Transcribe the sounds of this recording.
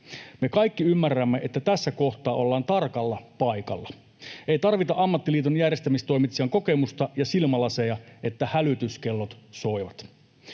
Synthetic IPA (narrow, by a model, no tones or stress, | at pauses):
me̞kɑijkːiymːærːæmːeʔet̪ːæt̪æsːæko̞ht̪ɑːʔo̞lːɑːnt̪ɑrkɑlːɑpɑjkɑ̰lːɑ | eit̪ɑrʋit̪ɑʔɑmːɑt̪ːiliːt̪onjærjest̪æmist̪o̞imit̪siɑŋko̞kemust̪ɑjɑsilmɑlɑsejɑʔe̞t̪ːæhælyt̪yskelːot̪so̞iʋɑt̪